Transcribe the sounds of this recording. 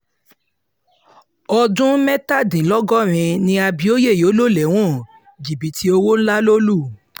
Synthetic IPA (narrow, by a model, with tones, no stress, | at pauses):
ɔ˧dũ˦mɛ˦ta˦˨dĩ˨lɔ˦ɡɔ˦ɾ̃ĩ˧nĩ˧a˧bi˧o˦je˦˨jo˨˦lo˦˨lɛ˨˦w̃ɔ̃˦˨ | d͡ʒi˨bi˨˦tʰi˦o˧wo˦n̩˦la˦lo˦lu˦˨